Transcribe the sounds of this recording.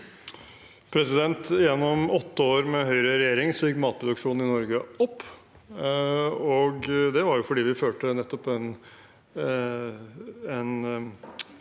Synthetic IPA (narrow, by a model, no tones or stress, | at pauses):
pʰɾɛsɪd̪ɛnt̪jɛnːɔmɔt̪ːəoːɾmɛɦœʏɾəɾɛjeːɾɪŋsɔjɪkːmɑːt̪̚pʰɾʊd̪ʉkʂuːnn̩ɪnɔɾɡəɔpː | ɔɡd̪ɛʋɑɾjʊfɔɖiːʋɪføːʈənɛt̪ːɔpɛn | ɛn